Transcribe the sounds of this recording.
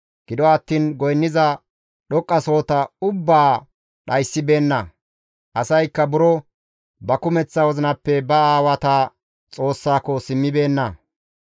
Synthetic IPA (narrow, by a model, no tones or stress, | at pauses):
ɡ̥ɪd̪ɔɐt̪ːiːnɡɔjnːɪzɐ | ɗɔkʼːɐso̞ːt̪ɐʊbːaː | ɗɐjsːɪbe̞ːnːɐ | ʔɐsɐjkːɐbʊɾɔ | bɐkʊmɛt͡sːɐwɔzɪnɐpːɛbɐaːwɐt̪aː | t͡sʼo̞ːsːaːkɔsɪmːɪbe̞ːnːɐ